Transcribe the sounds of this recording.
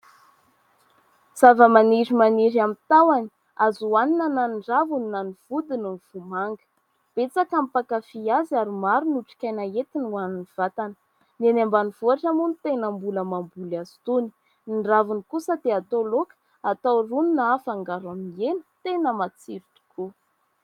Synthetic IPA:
z̥avəmaniɾimaniɾamit̪awani | azuaninananɳɖ͡ʐavuninaniv̥ud̪ininiv̥umaŋɡə̥ | b̥et͡sakamipakafiazaɾumaɾunuʈ͡ʂi̥kʲajnaet̪inuaniniv̥at̪anə | nenambaniv̥uaʈ͡ʂamunt̪enəmbuləmambulazi̥t̪uni̥ | niɳɖ͡ʐavunikusad̪eat̪olokə̥ | at̪awruninaafaŋɡaɾamienə̥t̪enəmat͡siɾit̪u̥kʰu

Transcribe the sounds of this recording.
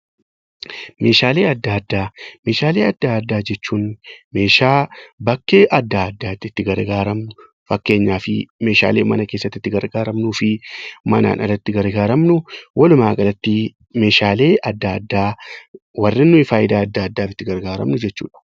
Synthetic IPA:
me̞ːʃaːle̞ːɐd̪ːaːɐd̪ːaːme̞ːʃaːle̞ːɐd̪ːaːɐd̪ːaːd͡ʒɛt͡ʃːuːnme̞ːʃaːbɐkːeːʔɐd̪ːaːɐd̪ːaːt̪ːɪt̪ːɪɡɐɾɡaːɾɐmnʊ | fɐkːe̞ːɲːaːfɪme̞ːʃa̰ːleːmɐnɐke̞ːsːɐt̪ːɪt̪ːɪɡɐɾɡaːɾɐmnuːfɪmɐna̰ːnʔɐ̰rɐt̪ːɪɡɐɾɡaːɾɐmnʊwɐlʊmaːkʼɐlɐt̪ːi | me̞ːʃaːle̞ːʔɐd̪ːaːɐd̪ːaː | wɐrːɪnːʊɪfaːjɪd̪aːɐd̪ːaːɐd̪ːaːfɪt̪ːɪɡɐɾɡaːɾɐ̰mnʊd͡ʒɛt͡ʃːṵːᶑɐ̥

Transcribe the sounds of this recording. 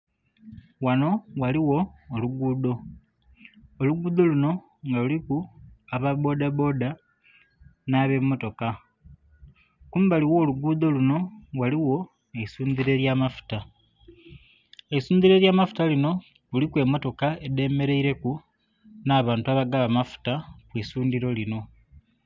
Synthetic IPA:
wano̞waliwo̞ːluɡuːdo̞ | luɡuːd̪o̞luno̞ | ŋɡalulikuaβaβo̞daβo̞ːda | naβe̞mːo̞to̞ka | kuːmbaliwo̞ːluɡuːd̪o̞luno̞waliwo̞ | eisuːnd̪iɾe̞ɾjamafu̥ta | eisuːnd̪iɾe̞ːɾjaːmafu̥talino̞ | lulikwe̞mːo̞to̞kae̞de̞ːme̞ɾe̞iɾe̞ku | naːβaːntuaβaɡaβamafu̥takwisuːnd̪iɾo̞lino̞

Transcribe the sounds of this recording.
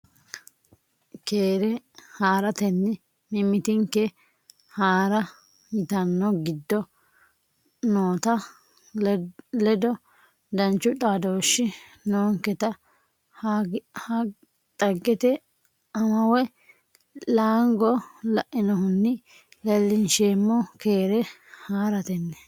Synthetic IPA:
keːɾɛhaːɾɐt̪ɛnːɪ | mɪmːɪt̪ɪŋkːɛ | haːɾɐ | jɪt̪ɐnːɔɡɪd̪ːɔ | noːt̪ɐ | lɛd̪ɔ | d̪ɐnt͡ʃːʊtʼaːd̪oːʃːɪ | noːŋkɛt̪ɐ | ha | t̪ʼɐɡːɛt̪ɛ | ɐmɐwɛ | laːŋɡɔlɐʔɪnɔhʊnːɪ | lɛlːɪnʃeːmːɔkeːɾɛhaːɾɐt̪ɛnːɛ

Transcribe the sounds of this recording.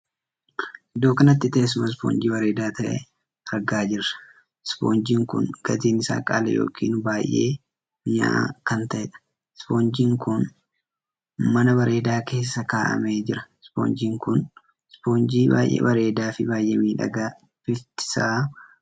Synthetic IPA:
ɪd̪o̞ːkɐnɐt̪ːɪt̪ɐɛs̬ʊmɐs̬po̰ːnd͡ʒiːbɐɾe̞ːd̪aːt̪ʰɐʔɛ̰ | ɐɾɡaːd͡ʒɪɾɐ̥ | spo̰ːnd͡ʒiːŋkʊ̰nɡ̥ɐt̪iːnɪsa̰ːkʼa̰ːlɐ̰jo̞̰ːkʰḭːnbaːjʔe̞̰ː | mɪɲa̰kɐnt̪ɐʔɛᶑɐ̥ | spo̞ːnd͡ʒiːŋkʊn | mɐnɐβɐɾe̞ːd̪aːke̞ːsːɐkaːʔɐ̰meːd͡ʒɪɾɐspo̰ːnd͡ʒiːŋkʊn | spo̞ːnd͡ʒiːba̰ːjʔḛːbɐɾe̞ːd̪aːfɪbaːjʔeːmiːᶑɐ̰ɡaː | fɪlt̪ɪ̥saː

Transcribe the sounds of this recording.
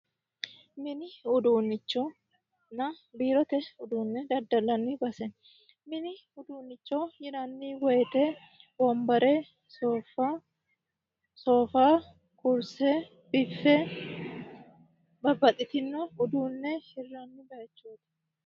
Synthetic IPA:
mɪnɪʊd̪uːnːɪt͡ʃːɔ | nɐbiːɾɔt̪ɛʊd̪uːnːɛd̪ɐd̪ɐlːɐnːibɐsɛ | mɪnɪ | ʊd̪uːnːɪt͡ʃːɔjɪɾɐnːiːwɔjt̪ɛ | bɔmbɐɾɛ | soːfa | soːfaː | kʊɾsɛ | b̥ɪfːɛ | bɐbːɐt̪ʼɪt̪ɪnːɔʊd̪uːnːɛhɪrːɐnːɪɡɐjɛt͡ʃːoːt̪ɛ̥

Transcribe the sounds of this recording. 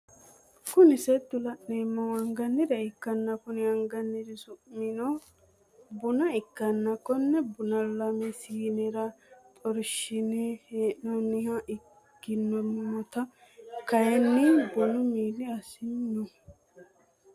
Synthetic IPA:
kʊnɪsɛd̪ʊlɐʔneːmːɐwɐŋɡɐnːɪd̪ɛɪkːɐnːɐkʊnɪɐŋɡɐnːɪd̪ɪsʊmːɪnɔ | bʊnɐɪkːɐnːɐkːɔnːɛbʊnɐlɐmɛsiːnɛɾɐt̪ʼɔɾʃɪneheːʔnɔnɪhɐʔɪ | kːɪnːɔmɔɔt̪ɐ | kɐjɛnːɪbʊnʊmiːlɪɐsɪnːɔ

